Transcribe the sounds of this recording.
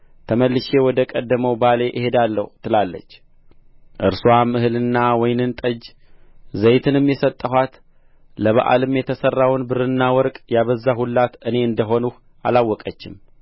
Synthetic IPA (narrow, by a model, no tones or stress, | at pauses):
t̪ʰəməlːɨʃe̞wɔd̪əkʼəd̪ːəməwbale̞ʔɪhe̞d̪alːəhut̪ʰɨlalːə̰t͡ʃː | ʔɨɾswamɨhɨlɨnːawɔjnɨnt̪ʼəd͡ʒ | zəjt̪ʰɨnɨmjɛsət̪ʼːəɦʷwat̪ | ləβa̰ʔa̰lɨmjɛt̪ʰəsərːawnbɨɾɨnːawɔɾkʼjaβəzːaɦulːat̪ɨne̞ɨnd̪əɦo̞nuh | alawːɔkʼət͡ʃːɪm